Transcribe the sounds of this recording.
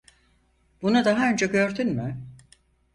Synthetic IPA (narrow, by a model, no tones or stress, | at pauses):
b̥unud̪aɦaø̞nd͡ʒɛɟøɾd̪ynmy